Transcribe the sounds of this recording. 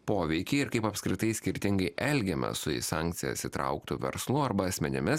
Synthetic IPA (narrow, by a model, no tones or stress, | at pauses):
poːʋʲɛɪkʲɪːɪɾkɐɪpɐpskɾʲɪt̪ɐɪsʲkʲɪɾʲt̪ʲɪŋɡɐɪʔɛlʲɡʲɛmʲɛ̰sʊɪ̰sɑːˑŋʲkt̪sʲɪjɛ̰sʲit̪ɾɐ̰ʊkt̪ʊʋʲɛ̰ɾslˠʊɐɾbɐɐsʲmʲɛnʲɪmʲɪs